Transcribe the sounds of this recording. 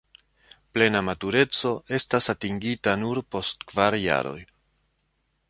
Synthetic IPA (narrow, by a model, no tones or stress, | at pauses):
ple̞namatuɾe̞t͡so̞e̞stasatiŋɡitanuɾpo̞stkv̥aɾja̰ɾo̞̰j